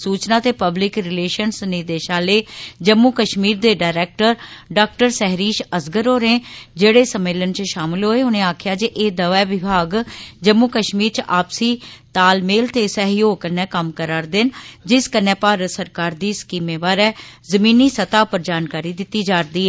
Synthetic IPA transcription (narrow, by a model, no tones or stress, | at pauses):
suːt͡ʃnaːt̪eːpəblɪkɾɪleːʃənsnɪd̪eːʃãːleːd͡ʒəmːuːkəʃmiːɾd̪eːɖaːɾɛːk̚ʈəɾɖaːk̚ʈəɾsɛɦɾiːʃəsɡəɾoːɾẽːd͡ʒeːɽeːsəmːeːlənt͡ʃʃaːmɪlɦoːeːʊnẽːaːkʰjaːd͡ʒeʔeːd̪əʋɛːʋɪbʱaːɡd͡ʒəmːuːkəʃmiːɾt͡ʃʔaːpsiːt̪aːlmeːlt̪eːsəɦjoːɡkənːɛ̃ːkəmkəɾaːɾd̪ɪnd͡ʒɪskənːɛ̃ːpaːɾəsəɾkaːɾd̪iːskiːmeːʋaːɾɛːzəmiːniːsət̪aːpəɾd͡ʒaːnkaːɾiːd̪ɪt̪ːiːd͡ʒaːɾd̪iːɦɛː